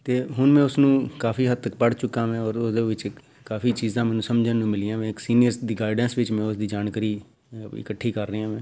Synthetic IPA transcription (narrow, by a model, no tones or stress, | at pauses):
t̪eːɦʊnmɛ̃ːʊsnũːkaːfʰiːɦət̪ːək̚pəɽt͡ʃʊkːãːʋɛ̃ːɔːɾʊsd̪eːʋɪt͡ʃ | kaːfʰiːt͡ʃiːzãːmɛːnũːsəmd͡ʒnːũːmɪlɪjãːʋɛ̃ːɪksiːnɪjəɾsd̪iːɡaːɪɖɛ̃ːnsʋɪt͡ʃmɛ̃ːʊsd̪iːd͡ʒaːnkːɾiː | ɪ̰kəʈʰːiːkəɾːəãːʋɛ̃ː